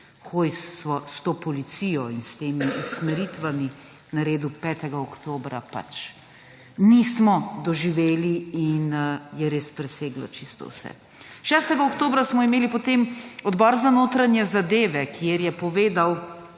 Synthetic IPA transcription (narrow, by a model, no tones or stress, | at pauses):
xoːjsʋɔst̪oːpɔlit̪sijɔinst̪eːmiʔusmɛɾit̪ʋami | naɾeːd̪upɛːt̪ɛɡaɔkt̪oːbɾapa̰t͡ʃ | nismɔd̪ɔʒiʋeːliinjɛɾeːspɾɛseːɡlɔ̰t͡ʃist̪ɔ̰wsɛ̰ | ʃɛːst̪ɛɡaokt̪oːbɾasmɔimeːlipɔt̪eːmɔd̪bɔːɾzanoːt̪ɾanjɛzad̪eːʋɛkʰjeɾjɛpɔʋeːd̪aw